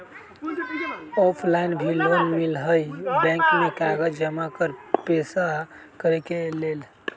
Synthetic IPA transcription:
ɔpʰlaɪnbʱiloːnmilɦəjbɛ̃ːŋkmẽkaɡəd͡ʒd͡ʒəmakəɾpeːsa | kəɾekeleːl

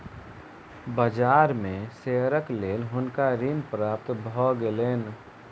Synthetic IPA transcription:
bəd͡ʒaːɾmẽseɾəkleːlɦʊnkaɾinpɾaːp̚t̪bʱɔɡeleːn

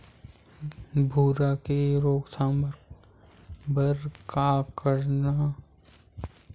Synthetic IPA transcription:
bʱuːɾakeɾoːksaːmɾ | bəɾkakəɾna

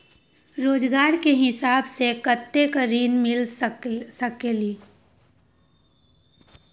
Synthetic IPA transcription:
ɾoːd͡ʒɡaːɾkeɦɪsaːbsekət̪ːekəɾiːnmɪl | səkeliː

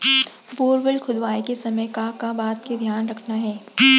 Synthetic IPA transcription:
boːɾʋəlkʰʊd̪ʋaːikesɐməjkakabaːt̪ked̪ʱjaːnɾɐkʰnaɦɛː

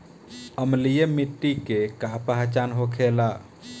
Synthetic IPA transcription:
əmlijemiʈːikekapaɦat͡ʃanɦokʰela

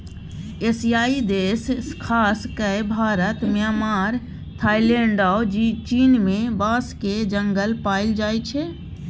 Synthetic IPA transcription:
esijaːid̪eːskʰaːskəbʱaːɾət̪mjaːmaːɾ | t̪ʰaːilẽɳɖad͡ʒit͡ʃiːnmẽbaːsked͡ʒə̃ŋɡəlpaːild͡ʒaːjt͡ʃʰe

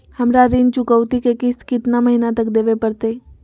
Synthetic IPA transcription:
həmɾaɾɪnt͡ʃʊkəʋt̪ikekɪskɪt̪naməɦinat̪əkd̪eːʋepəɾt̪e

